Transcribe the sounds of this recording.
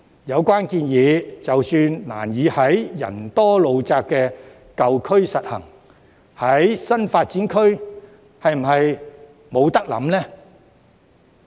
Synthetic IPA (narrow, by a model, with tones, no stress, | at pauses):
jɐ˨˧wkʷaː˥nkiː˧njiː˨˧t͡sɐ˨wsyː˧nna̰ː˨˩njiː˨˧hɐ˨˥jjɐ̰˨˩nt̪ɔː˥lo˨˧wt͡saː˧kːɛː˧ | kɐ˨wkʰɵ˥ɥsɐ˨t̚hɐ̰˨˩ŋ | hɐ˨˥jsɐ˥nfaː˧t̚t͡siː˨˥nkʰɵ˥ɥ | hɐ˨jm̩˨˩ɦɐ˨j | mo˨˧wt̪ɐ˥k̚lɐ̰˨˥mlɛː˥